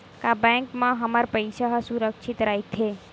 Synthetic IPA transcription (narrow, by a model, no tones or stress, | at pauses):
kabɛ̃ŋkmãɦəmaɾpəjʃaɦsuɾəkʃʰit̪ɾajt̪ʰe